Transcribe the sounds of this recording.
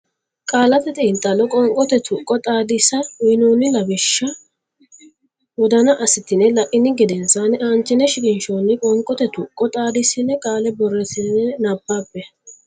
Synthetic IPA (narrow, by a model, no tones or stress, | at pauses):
kʼaːlɐt̪ɛt̪ʼiːnt̪ʼːɐlɔkʼɔŋkʼɔt̪ɛt̪ʰʊkʼːɔt̪ʼaːd̪ɪsɐjnoːnɪlɐbɪʃːɐ | wɔd̪ɐnɐʔɐsɪt̪ːɪnɛlɐʔɪnːɪɡɛd̪ɛnsaːnɪʔaːnt͡ʃːɪnːɛʃɪkʼɪnʃoːnːɪkʼɔŋkʼːɔt̪ɛt̪ʊkʼːɔt̪ʼaːd̪ɪsɪnːɛkʼaːlɛbɔrːɛt̪ɪnːɛnabːaːbːɛ